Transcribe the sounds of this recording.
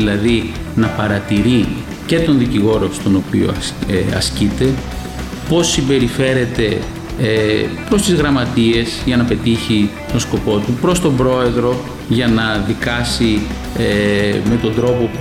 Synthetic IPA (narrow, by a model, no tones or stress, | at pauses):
lɐði | nɐpɐɾɐt̪iɾi | ce̞t̪o̞nðiciɣo̞ɾo̞st̪o̞no̞pio̰ɐ̰scit̪e̞ | po̞sːimbe̞ɾife̞ɾe̞t̪e̞ | pɾo̞st̪izɣɾɐmɐt̪ie̞zʝɐnɐpe̞t̪içi | t̪o̞nsko̞po̞t̪upɾo̞st̪o̞mbɾo̞e̞ðɾo̞ | ʝɐnɐðikɐsi | eme̞t̪o̞nd̪ɾo̞po̞p